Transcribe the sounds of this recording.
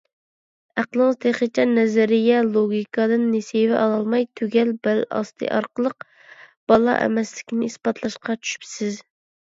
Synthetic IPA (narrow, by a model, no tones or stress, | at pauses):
æqəlˠɨŋɨzt̪ʰeχət͡ʃʲʰɛnɛzɪɾɪjɛlˠoɡʲikʰɑd̪ɨnːesevɛʔɑlˠɑlˠmɑjt̪ʰøɡʲɛlbælɑ̰st̪ʰɨ̰ʔɑ̰ɾqəlˠəq̚ | b̥ɑlˠɑ̰ʔɛ̰mɛslɪkʲnɪispɑt̪ʰlˠɑʃqɑt͡ʃʰy̥ʃy̥psɪz